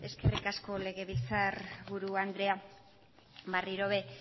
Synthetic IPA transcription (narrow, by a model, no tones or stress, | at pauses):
e̞ske̞rikasko̞le̞ɣe̞β̞ilt͡saɾβuɾuand̪ɾe̞a | βariɾo̞βe̞